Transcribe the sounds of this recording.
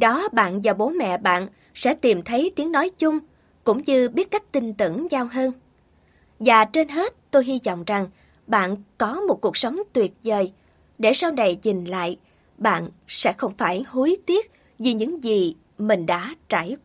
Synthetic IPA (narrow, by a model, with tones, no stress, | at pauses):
ɗɔ˨˦ɓa̰ː˧˨nvaː˨˩ɓo˨˦mɛ̰˧˨ɓa̰ː˧˨n | sɛ̰˧˥t̪i˨˩mt̪ʰə˨˦jt̪i˨˦əŋnɔ˨˦jt͡ɕʊ˧ŋ͡m | kʊ̰˧˥ŋ͡mɲɨ˧ɓi˦˥ət̚ka˦˥jk̟̚t̪ï˧˩ŋ̟t̪ɨ̰˧˩əŋzaː˧wɦəː˧n | vaː˨˩t͡ɕe˧nɦe˦˥t̚t̪o˧jɦi˧zɔ̰˧˨wŋ͡mza˨˩ŋ | ɓa̰ː˧˨nkɔ˨˦mo˨˩t̚ku˨˩ək̚sə˨˦wŋ͡mt̪wi˨˩ət̚zəː˨˩j | ɗe˧˩saː˧wna˨˩jzï˨˩ŋ̟la̰ː˧˨j | ɓa̰ː˧˨nsɛ̰˧˥xə˧wŋ͡mfaː˧˩jhu˨˦jt̪i˦˥ət̚ | zi˨˩ɲɨ̰˧˥ŋzi˨˩ | mï˨˩ŋ̟ɗa̰ː˧˥t͡ɕaː˧˩j